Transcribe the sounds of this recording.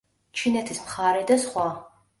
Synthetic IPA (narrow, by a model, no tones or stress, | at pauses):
t͡ʃʰinɐtʰɨspχaːɾɐdɐsχʷɑː